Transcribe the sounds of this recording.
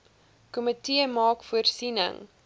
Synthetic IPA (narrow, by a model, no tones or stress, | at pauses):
kɔmətiəmɑːkfuərsinə̰ŋ